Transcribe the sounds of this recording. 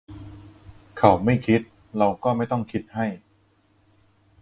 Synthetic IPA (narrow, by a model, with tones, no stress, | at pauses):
kʰa˨˦wma˥˩jkʰi˦˥t̪̚ | ɾa˧wkɔː˥˩ma˥˩jt̪ɔ˥˩ŋkʰi˦˥t̪̚ha˥˩j